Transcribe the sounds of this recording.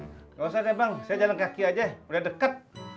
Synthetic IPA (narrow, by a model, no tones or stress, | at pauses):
kaasasabaŋsajad͡ʒalankakiad͡ʒauladəkat̪̚